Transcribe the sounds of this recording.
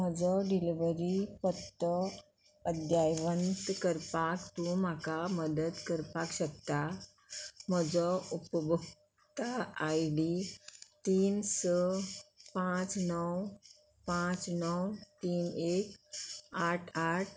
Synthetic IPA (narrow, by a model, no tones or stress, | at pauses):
m̤əd͡zɔɖiliʋəɾipət̪ːə | əd̪jajʋənt̪kəɾpakt̪ũm̤akaməd̪əd̪kəɾpakɕək̚t̪a | m̤əd͡zɔupəbʱək | t̪aajɖit̪iːnsə | pãt͡snəw | pãt͡snəwt̪iːnekaʈʰaʈ̚ʰ